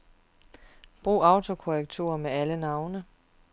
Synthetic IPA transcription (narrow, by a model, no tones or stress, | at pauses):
b̥ʁṵːɑ̈ʊt͡sʰo̝kʰoʁɛɡ̥̚t͡sʰṵɐmeælənɑ̈ʊnə